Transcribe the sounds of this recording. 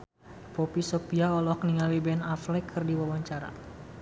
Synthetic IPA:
pɔpisopiaɔlɔhkəniŋalibɛnaflɛkʰɨrdiwawaɲt͡ʃaɾa̰

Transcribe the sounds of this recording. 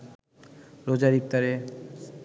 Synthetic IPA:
ɾod͡ʑaɾip̚t̪aɾe

